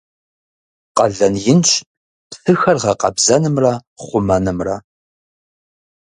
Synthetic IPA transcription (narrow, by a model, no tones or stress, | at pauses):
qɐɮɐnjɪnt͡ʃʰʼ | pfɨxɐrʁɐqɐ̰bzɐnɨmrɐχʷʊmɐnɨmrɐ